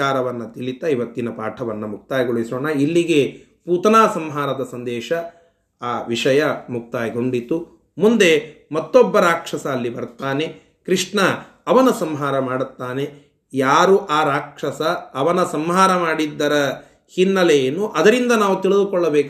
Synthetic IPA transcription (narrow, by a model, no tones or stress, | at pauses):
aːɾɐʋɐnːɐt̪iɭit̪ːɐiʋɐt̪ːinɐpaːʈʰɐʋɐnːɐmuk̚t̪aːjɡoɭisoːɳɐilːiɡe̞ | puːt̪ɐnaːsɐmɦaːɾɐd̪ɐsɐnd̪ɛːʃɐ | aːʋiʂɐjɐmuk̚t̪aːjɡo̞ɳɖit̪ːu | mund̪e̞mɐt̪ːɔbːɐɾaːkʂɐsɐːlːibɐɾt̪aːne̞ | kɾiʂɳɐː | ʋɐnɐsɐmɦaːɾɐmaːɽut̪ːaːne̞ | jaːɾuʔaːɾaːkʂɐsɐːʋɐnɐsɐmɦaːɾɐmaːɽid̪ːɐɾɐ | hinːɐlejeːnːuʔɐd̪ɐɾind̪ɐnaːʋut̪iɭid̪ukɔɭːɐbeːk